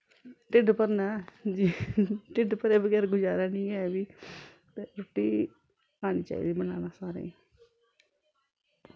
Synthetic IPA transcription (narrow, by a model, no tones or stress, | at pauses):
ʈɪɖpəɾnaːd͡ʒiːʈɪɖpəɾeːbəɡɛːɾɡʊd͡ʒaːɾaːnĩːɛːʋiː | t̪eːɾoːʈːiː | aːniːt͡ʃa̰ːḭːd̪iːbəna̰ːnaːsaːɾḛ̃ː